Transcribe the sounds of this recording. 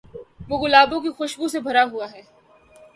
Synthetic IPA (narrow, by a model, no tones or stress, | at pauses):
ʋoɣʊlaːbõk̬ixʊʃbusebʱɐɾaɦuaɦɛː